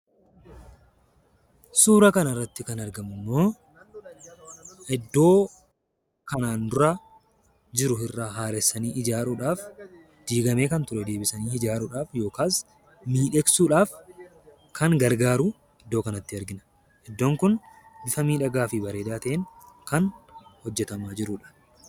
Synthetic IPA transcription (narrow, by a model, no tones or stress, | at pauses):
suːɾɐkɐnɐrːɐt̪ːɪkɐnɐɾɡɐmʊnːoː | ʔɛd̪ːo̞ː | kɐnaːnd̪ʊɾa | d͡ʒɪɾʊɪrːaːɦaːɾɛsːɐniːʔɪd͡ʒaːɾuːᶑaːf | d̪̥iːɡɐme̞ːkɐnt̪ʊɾɛd̪e̞ːbɪsɐniːɪd͡ʒaːɾuːᶑaːfjo̞ːkaːs | miːᶑɛksuːᶑaːf | kɐŋɡɐɾɡaːɾuː | ɛd̪ːoːkɐnɐt̪ːɪɐɾɡɪnɐ̥ | ʔɛd̪ːo̞ːŋkʊnbɪfɐmiːᶑɐɡaːfibɐɾe̞ːd̪aːt̪ɐʔeŋkɐnhɔd͡ʒːɛt̪ɐmaːd͡ʒɪɾuːᶑḁː